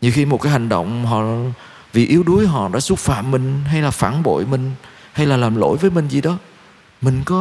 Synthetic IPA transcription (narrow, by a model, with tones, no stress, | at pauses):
ɲɨ˨˩xi˧mo˨˩kaː˨˦jha˨˩ŋ̟ɗə̰˧˨wŋ͡mɦɔ̰˧˨ | vḭ˨˩ʔi˨˦əwɗu˨˦əjɦɔ̰˧˨ɗa̰ː˧˥su˦˥t̚fa̰ː˧˨mːï˨˩ŋ̟ɦa˧jlaː˨˩faː˧˩nɓo̰˧˨jmï˨˩ŋ̟ | ha˧jlaː˨˩laː˨˩mlo̰˧˩˨jvəː˨˦jmï˨˩ŋ̟zi˨˩ɗɔ˨˦ | mï˨˩ŋ̟kɔ˨˦